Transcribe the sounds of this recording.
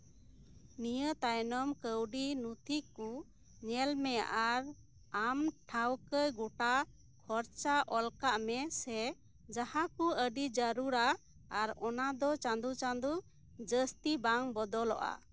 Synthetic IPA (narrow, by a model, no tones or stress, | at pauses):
nijət̪ajnɔmkəwɖinut̪ʰiku | ɲɛlmɛja̰ʔaɾ | amʈʰawkəjɡuʈa | kʰɔɾt͡ʃaʔɔlkaʔmɛsɛ | d͡ʒahakuəɖid͡ʒəɾuɾaː | ɾɔnad̪ɔt͡ʃand̪ut͡ʃand̪u | d͡ʒəst̪ibaŋbɔd̪ɔlɔʔa̰